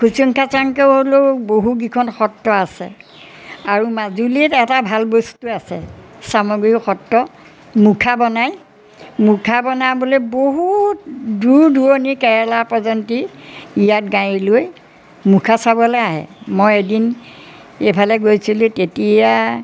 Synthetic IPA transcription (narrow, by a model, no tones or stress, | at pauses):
kʰusɔŋkʰasaŋkeʊɦoloboɦuɡikʰɔnxɔtːɔasɛ̰ | aɹumazulitɛtabʱalbostuasɛ | samɔɡɹixɔtːɔ | mukʰabɔnaj | mukʰabɔnaboleboɦutduɹduɔnikɛɹɛlapɹɔzɔntiːjat̚ɡãjiloj | mukʰasabɔlɛaɦɛ̰mojedin | epʰalɛɡojsilutetija